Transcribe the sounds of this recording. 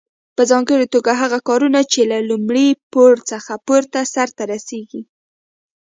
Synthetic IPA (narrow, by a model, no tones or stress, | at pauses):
pəzɑŋɡəɽit̪oɡaɦaɣakɑɾunat͡ʃelalumɽipoɽt͡səxapoɾt̪asaɾt̪aɾaseɡi